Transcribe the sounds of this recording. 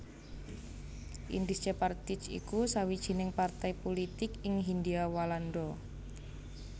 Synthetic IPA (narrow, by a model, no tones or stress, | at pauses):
ʔḭnd̪ist͡ʃapart̪ɪt͡ʃḭkusawid̥ʒ̥i̤nɪŋpart̪ajpolit̪ɪkɪŋɦind̪iawaland̪ɔ